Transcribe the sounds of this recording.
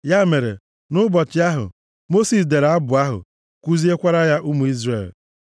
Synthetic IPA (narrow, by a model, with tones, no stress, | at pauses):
ja˦me˨ɾḛ˨ | nʊ˦bɔ˨t͡ʃɪ˦a˦ɦʊ̰˨ | mo˦si˨s̬de˨ɾa˦bʊ˨a˦ɦʊ̰˨ | kʷu˦zi˦e˦kʷa˦ɾa˦ja˦ʔu˦mu˨i˦zre˦˨l